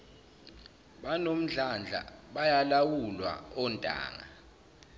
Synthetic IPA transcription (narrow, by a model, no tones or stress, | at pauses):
ɓanom̩ɮand͡ɮʱa̰ɓajalawulwa̰ɔntʼa̰ːŋa̰